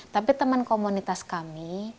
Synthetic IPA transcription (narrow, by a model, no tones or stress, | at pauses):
t̪apit̪əmənkomunit̪askami